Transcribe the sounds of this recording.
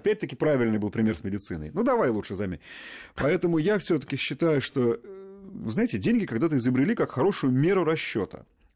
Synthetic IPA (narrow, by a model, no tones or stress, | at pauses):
ɐpʲæt̚ʲt̪əkʲɪpɾavʲɪlʲnɨjbɨlˠpɾʲɪmʲe̞rsmʲɪdʲɪt̪sɨ̰nə̰jnud̪ɐvajlˠutʂɨzɐmʲḛpɐɛt̪əmʊjafsʲɵt̪ə̥kʲɪɕːɪt̪ajʊʂt̪o̞ | vɨznajɪtʲɪdʲenʲɡʲɪkɐɡd̪at̪əɪzəbɾʲɪlʲikakxɐɾo̞ʂʊjʊmʲeɾʊɾɐɕːo̰t̪ə̰